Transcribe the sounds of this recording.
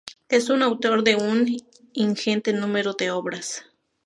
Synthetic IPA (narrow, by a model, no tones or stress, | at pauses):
esunawt̪oɾd̪eun | iŋxent̪enũmeɾod̪eoβɾas